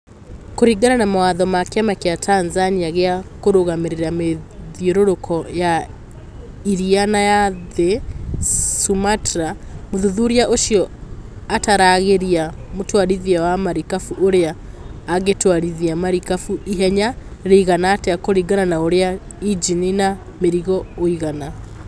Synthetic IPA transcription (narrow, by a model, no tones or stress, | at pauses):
koɾiɡananamawaðɔmakeamakeatʰanzaniaɣeakoɾoɣameɾeɾameðioɾoɾokʰɔja | iɾianajaðe | sumatɾamoðuðuɾiaʔoʃiɔataɾaɣeɾiamotwaɾiðiawamaɾikafuʔoɾeaː | ɣetwaɾiðiamaɾikafuiɦɛɲaɾeiɣanaːteakoɾiɡananaoɾea | id͡ʒinina | meɾiɣɔoiɣana